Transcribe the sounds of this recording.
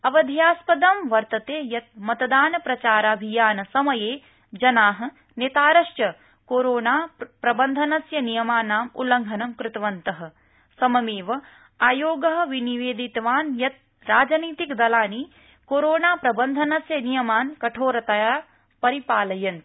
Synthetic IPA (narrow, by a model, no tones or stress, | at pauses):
ɐʋɐd̪ʱjaːspɐd̪ɐmʋɐɾt̪ɐt̪eːjɐt̪̚mɐt̪ɐd̪aːnɐpɾɐt͡ʃaːɾɐɐbʱijaːnɐsɐmɐjeː | d͡ʒɐnaːɦɐ̆ | net̪aːɾɐʃjɐ | koːɾoːnaːpɾɐbɐnd̪ʱɐnɐsjɐnijɐmaːnaːmṵlɐŋɡʱɐnɐmkɾɪt̪ʋɐnt̪ɐɦɐ̆ | sɐmɐmeːʋɐ | aːjoːɡɐɦɐ̆ʋiniʋeːd̪it̪ʋaːnjɐt̪̚ | ɾaːd͡ʒɐniːt̪ikd̪ɐlaːni | koːɾoːnaːpɾɐbɐnd̪ʱɐnɐsjɐnijɐmaːnkɐʈʰoːɾɐt̪ɐjaː | pɐɾipaːlɐjɐn